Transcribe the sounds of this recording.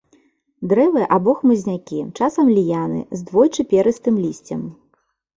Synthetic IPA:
d̪ɾɛvɨʔabɔxmɨzʲnʲakʲit͡ʂasɐmlʲijanɨ̰zd̪vɔjt͡ʂɨpʲɛɾɨst̪ɨmlʲisʲt͡sʲɐm

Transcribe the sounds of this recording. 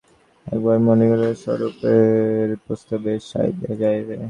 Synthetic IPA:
ɛ̰k̚baɾmoniɡoleɾʃɔ̰ɾupeɾpɾost̪abeʃa̰ḭd̪ḛd͡ʑajbe

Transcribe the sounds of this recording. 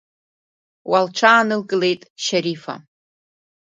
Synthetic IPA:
walʈ͡ʂʷʰaːnɨlkʼɨle̞jtʼʃaɾifa̰

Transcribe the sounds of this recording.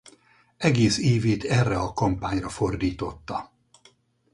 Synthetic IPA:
ɛɡeːseːveːt̪ɛrːɛɒkɒmpaːɲrɒfo̞rd̪iːt̪o̞t̪ːɒ

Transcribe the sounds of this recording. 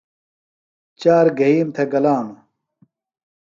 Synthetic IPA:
t͡ɕaːɾɡɐɦiːmt̪ʰeɡɐlaːm

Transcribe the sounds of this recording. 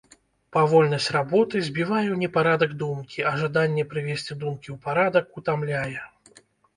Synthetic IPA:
pavɔlʲnɐsʲt͡sʲrabɔt̪ɨzʲbʲivajɛwnʲɛpaɾad̪ɐɡd̪umkʲiɐʐad̪anʲːɛpɾɨvʲesʲt͡sʲid̪umkʲiwpaɾad̪ɐkut̪amlʲajɛ

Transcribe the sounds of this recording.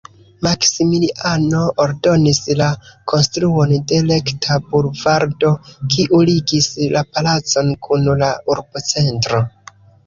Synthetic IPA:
maksimiliʔano̞ʔoɾdo̞nislakʰo̞nstɾuo̞nde̞le̞ktʰabulvaɾdo̞kʰiʔuliɡislapalat͡so̞nkʰunlauɾbot͡se̞ntɾo̞

